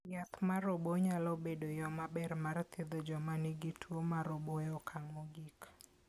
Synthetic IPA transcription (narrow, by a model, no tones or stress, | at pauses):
jat̪maɾoboɲalɔbedojɔmabɛrmart̪ɪd̪ɔd͡ʒɔmaniɡitʰuomaɾobɔjɔkʰaŋoɡik